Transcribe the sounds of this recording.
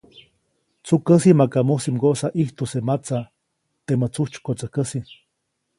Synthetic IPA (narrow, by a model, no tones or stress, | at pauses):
t͡sukəsimakamusimɡoʔsaʔiht̪usemat͡sa | t̪emət͡suht͡ʃu̥kot͡səhkəsi